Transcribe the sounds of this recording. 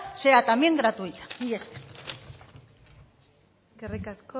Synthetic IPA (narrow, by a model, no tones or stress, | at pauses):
se̞at̪amjeŋɡɾat̪uijt̪ḁieske̥ | eskerikasko